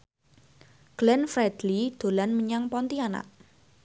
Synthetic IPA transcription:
ɡ̥lɛnfɾɛd̪̥lid̪̥o̤lanməɲaŋpɔnt̪iana̰ʔ

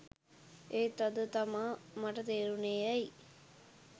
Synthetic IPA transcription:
eːt̪ɐd̪ut̪ɐmamɐʈɐt̪eːɾunejɐj

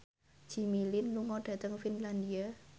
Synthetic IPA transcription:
d͡ʒ̥i̤milɪnluŋɔɖ̥ä̤t̪əŋfinland̪ia

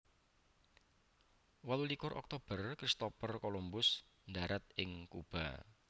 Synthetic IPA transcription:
walulikʊɾʔɔ̰k̚t̪ob̥ərkɾist̪opərkolumbʊs | ndaɾʔat̪̚ɪŋkub̥a̰

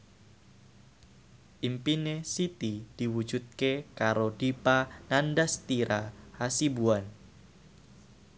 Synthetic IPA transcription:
ʔimpinesit̪id̪̥i̤wud̥d͡ʒ̥ut̪̚kekaɾod̥ipanandast̪iɾʔahasibuan

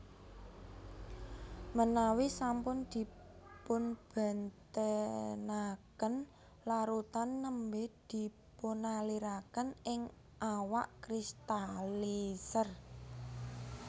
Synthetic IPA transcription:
mənawisampʊnd̪̥i̤pʊnb̥a̤nt̪ənakən | laɾut̪anːəmbed̪̥i̤ | punaliɾakənɪŋ | ʔawaʔkɾist̪alisər

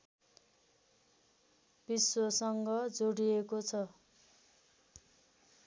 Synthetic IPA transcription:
b̥iswosʌŋɡʌd͡zoɽiekot͡sʰʌ

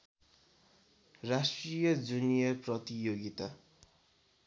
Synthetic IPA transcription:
rasʈrijʌd͡zunijʌprʌt̪ijoɡit̪a

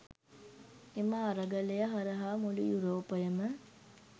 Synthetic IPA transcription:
eməːɾəɡəlejəɦɐɾəɦaːmulijuɾoːpəjəmə

